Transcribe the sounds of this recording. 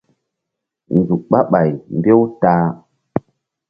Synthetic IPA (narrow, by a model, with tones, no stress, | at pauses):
n˨d͡zu˨k̚ɓa˦ɓa˨jmbe˦wtaː˦